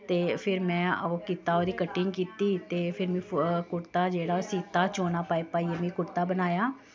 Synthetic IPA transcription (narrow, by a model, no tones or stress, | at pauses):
t̪eːpʰɪɾmɛ̃ːoːkiːt̪aːoːd̪iːkəʈɪ̃ŋɡkiːt̪iːt̪eːpʰɪɾmĩːkʊʈt̪aːd͡ʒeːɽaːosiːt̪aːt͡ʃoːnaːpaːeːpaːiːemɛ̃ːkʊɾt̪aːbənaːjaː